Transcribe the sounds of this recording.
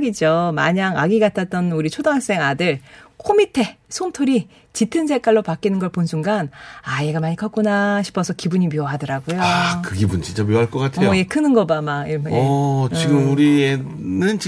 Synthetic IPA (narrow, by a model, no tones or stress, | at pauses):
ɡid͡ʑoma̰ɲaŋaɡiɡatʰat͈ʌnuɾit͡ɕʰodaŋaks͈e̞ŋadɯɭkʰomitʰe̞sʰomtʰoɾi | t͡ɕitʰɯnsʰek͈aɭːopak͈inɯnɡʌɭponsʰuŋɡanaeɡamaɲikʰʌk͈unaɕʰi̥pʰʌsʰʌkibuɲimiʌɦadʌɾaɡojokɯɡibunt͡ɕʰint͡ɕ͈amjoɦaɭk͈ʌk͈atʰejekʰɯnɯnɡʌbamaiɭbt͡ɕiɡɯmuɾie | nɯnt͡ɕ